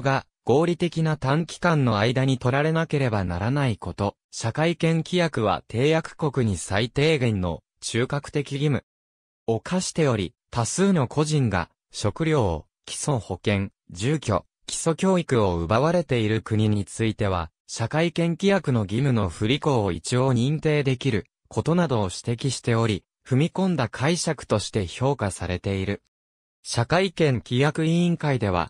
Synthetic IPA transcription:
ɡa | ɡ̥o̞ːɾʲit̪e̞kʲinat̪ãŋkʲi̥kãnːo̞aid̪aɲ̟it̪o̞ɾaɾe̞nake̞ɾe̞bana̰ɾanaiko̞t̪o̞ | ɕakaikẽ̞ŋkʲijakɯ̟β̞a̰t̪ʰe̞ːjakɯ̟̥ko̞kɯ̟ɲ̟isait̪e̞ːɡẽ̞nːo̞̰ | t͡ɕɨːkakɯ̟̥t̪e̞kʲiɡʲimɯ̟̰ | o̞kʰaɕi̥t̪e̞jo̞ɾʲḭ | t̪asɨːno̞kʰo̞ʑĩŋɡa̰ | ɕo̞kɯ̟ɾʲo̞ː | kʲi̥so̞ho̞kẽ̞ŋ | d͡ʑɨːkʲo̞̰ | kʲi̥so̞kʲo̞ːikɯ̟o̞ɯ̟baβaɾe̞t̪e̞iɾɯ̟kɯ̟ɲ̟iɲ̟it͡sɨit̪e̞β̞a̰ | ɕakaikẽ̞ŋkʲijakɯ̟no̞ɡʲimɯ̟no̞ɸɯ̟ɾʲiko̞ːit͡ɕijo̞ːɲ̟ĩnt̪e̞ːd̪e̞kʲiɾɯ̟ | kʰo̞t̪o̞nad̪o̞ːɕi̥t̪e̞kʲiɕi̥t̪e̞o̞ɾʲi | ɸɯ̟mʲikõ̞nd̪akʰaiɕakɯ̟̥t̪o̞ɕi̥t̪e̞ço̞ːkasaɾe̞t̪e̞iɾɯ̟ | ɕakaikẽ̞ŋkʲijakɯ̟iĩŋkaid̪e̞β̞a̰

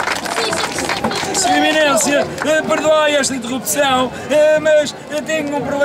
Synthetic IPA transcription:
suiminẽsjɐɛpɨɾðuajɛʃt̪ɐĩnt̪̬ɨʁupsɐ̃w̃ | ɛmɐʃ | t̪eɲũpɾuβlˠ

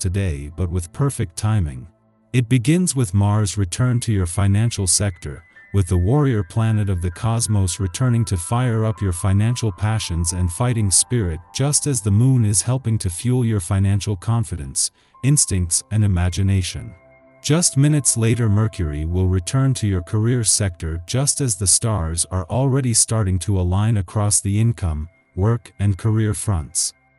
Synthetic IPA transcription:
tʰɨdeɪbʌt̚wɨð̥pʰɜ˞fɨk̚tʰãɪ̃mɪ̰̃ŋ | ɨt̚b̥ɨɡɪ̃nzwɨðmɑɹzɹɨtʰɜ̃˞ntʰɨjə˞fãɪ̃næ̃nʃl̩ˠsɛk̚tʰə̰˞wɨðəwɔɹiə˞pʰl̥ænɨɾʌvðɨkʰɑzmoʊsɹɨtʰɜ̃˞nɪ̃ŋtʰɨfaɪə˞ʌpjə˞fãɪ̃næ̃nʃl̩ˠpʰæʃɨ̃nzɨ̃nfaɪɾɪ̃ŋspɪɹɪt̚d̥ʒ̥ʌstɨzðəmũnɪz̥hɛlˠpɪ̃ŋtʰɨfjulˠjə˞fãɪ̃næ̃nʃl̩ˠkʰɑ̃ɱfɨɾɨ̰̃ns | ɪ̃nstɪ̃ŋk̚tsɨ̃nɨmæd͡ʒɨneɪʃɨ̰̃n | d̥ʒ̥ʌst̚mɪ̃nɨtsleɪɾə˞mɜ˞kʰjə˞iwɪlˠɹɨtʰɜ̃˞ntʰɨjə˞kʰə˞ɪɹsɛk̚tə˞d͡ʒʌstɨzðɨstɑɹzə˞ʔl̩ˠɹɛɾistɑɹɾɪ̃ŋtʰəəlãɪ̃nɨkʰɹ̥ɔsðiɪ̃nkʰʌ̃m | wɜ˞kɨ̃nkʰə˞ɪɹfɹʌ̃nts

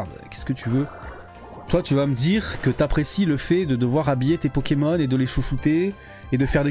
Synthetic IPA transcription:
ʁd̪kʲɛskət̪yvø | t̪wat̪yvaməd̪iʁkət̪apχesiləfɛd̪əd̪əvwaʁabijet̪epɔkʲemɔned̪əleʃuʃut̪eː | d̪əfɛʁd̪e

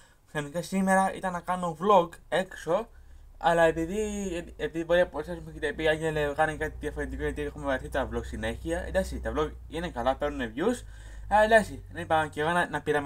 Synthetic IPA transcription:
xɐnikɐsime̞ɾɐʔḭt̪ɐnːɐkɐno̞vlo̞ɡe̞kso̞ɐlɐe̞piðiepiðibo̞ɾiɐposɐsumeet̪eepiiɐɲɟelekɐnekɐt̪iðiɐfo̞ɾent̪iko̞ʝɐt̪iexumevɾɐθit̪oɐvloɡsine̞çiɐḛnd̪ɐksit̪ɐvlo̞ɡ | ine̞kɐlɐpe̞ɾnunevʝus | ɐend̪ɐksinɐipɐceɣonɐnɐpiɾɐm

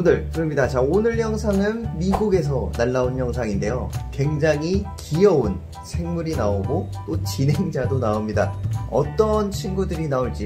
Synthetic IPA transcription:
undɯɭkɯɾʌmɲidat͡ɕaonɯɭçjʌŋsʰaŋɯnmiɡuɡe̞s̬ʰʌnaɭːaunçjʌŋsʰaŋinde̞jokwe̞ŋd͡ʑaŋikijʌun | sʰe̞ŋmuɾinaoɡot͈ot͡ɕinɦe̞ŋd͡ʑadonaomɲida̰ʌt͈ʌnt͡ɕʰinɡudɯɾinaoɭt͡ɕ͈i

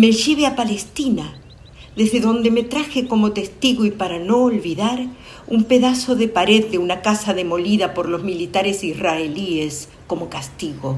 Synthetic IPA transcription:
meʒeβeapalest̪ina | ðezðeðo̞nd̪e̞met̪ɾaxeko̞mo̞t̪e̞st̪iɣoipaɾano̞ːlβiðaɾ | umpe̞ðaso̞ðe̞paɾe̞ðːeunakasaðe̞mo̞liðapo̞ɾlo̞zmilit̪aɾesisraelies | ko̞mo̞kast̪iɣo̞

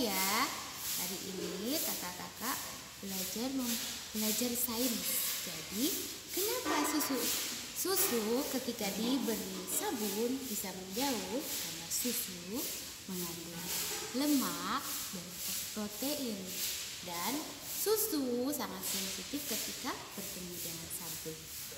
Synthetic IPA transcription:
ja | haɾiʔḭnit̪akakakaʔ | bəlad͡ʒarməmbəlad͡ʒarsaɪnd͡ʒadi | kənapasusu | susukət̪ikadibəɾi | sabunbisamənd͡ʒauhkanasusu | məŋandʊŋləmaʔ | daɾ | pɾot̪eʔɪn | dan | sususaŋat̪̚ponsit̪ɪfkət̪ika | bərp̪əmidaŋansabʊn

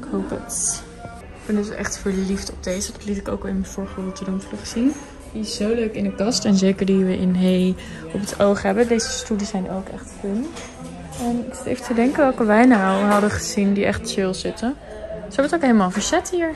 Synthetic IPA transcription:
ɪkɦowpət | kbɪndətʔɛχtfəɹliftɔb̚d̥ejzədɑtlitɪko̰wkɛlˠɪnmənvʊːɹχətədunfləχəz̥in | diɪszowløɥkɪndəkɑstɛnzejkəɹdiʋəʔɪnɦej | ɔpətowχɦɛbədejzəstydisɛjno̰wkɛ̰χtkun | ɛnɪkstḛjfətədɛŋkəʋɛlˠkəʋɛjnawɦɑdəχəz̥indiɛχtt͡ʃɪlˠzɪtə | səʋəɹtokɦeləmaːlˠvəɹzɛtɦiːɹ

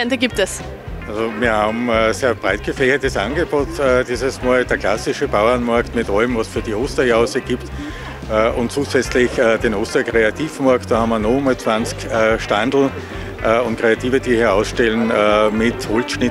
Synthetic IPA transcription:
ɛndəɡiːp̚tɛs | ʔalzomiːɐhaːbm̩ːseːɐb̥ʁaɪt̚ɡ̥əfɛçɐtəsʔã̰nɡəb̥oːtːd̥iːzəsmaːld̥eːɐklasɪʃəb̥aʊɐnmaɐktmɪtʔaləmvɑsfyːɐdioːstɐjaʊsəɡ̥iːptː | ʔʊ̃ntt͡suːzɛt͡slɪçəːdenoːstɐkʁeatiːfmaɐkt̚d̥ɑːhɑmɐnomət͡sv̥ãnt͡skəʃtandl̩ | ʔʊ̃ntkʁ̥eatiːvəd̥iːhiːɐaʊsʃtɛlənːmɪthɔlt͡sʃnɪt

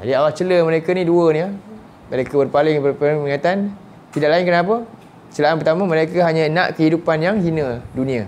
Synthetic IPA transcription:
d͡ʒa̰diawat͡ʃələməɾekaniduəni | məɾekabərpalɪŋbəpŋməŋat̪an | t̪idaʔlaɪnkənap̬ə | t͡ʃəlaanpərt̪amə̃məɾaikaɦaɲãnãʔkəɦidupanjaŋɦinədunĩa

